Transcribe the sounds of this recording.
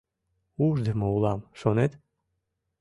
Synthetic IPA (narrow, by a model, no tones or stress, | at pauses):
uʒd̪emoulɑmʃonet̪